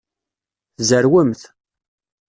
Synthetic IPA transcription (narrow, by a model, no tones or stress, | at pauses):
θzəɾwəmθ